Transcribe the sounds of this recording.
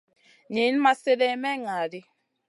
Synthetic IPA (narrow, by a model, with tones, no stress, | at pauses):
ɲi˨˦n˦ma˦se˦dɛ˦mɛ˦ŋa˨di˦